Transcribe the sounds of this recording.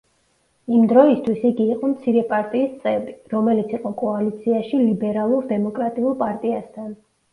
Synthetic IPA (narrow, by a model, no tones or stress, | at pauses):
imd̪ɾɔist̪ʰwisiɡiːqʼɔmt̪sʰiɾɛpʼaɾt̪ʼiːst̪sʼɛbiɾɔmɛlit̪sʰiqʼɔkʼɔalit̪sʰiaʃilibɛɾalˠuɾd̪ɛmɔkʼɾat̪ʼiulˠpʼaɾt̪ʼiast̪ʰan